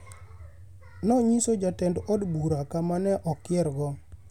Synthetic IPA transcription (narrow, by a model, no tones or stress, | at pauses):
nɔɲisod͡ʒatɛndɔdbuɾakamanɛʔɔkɪɛɾɡɔ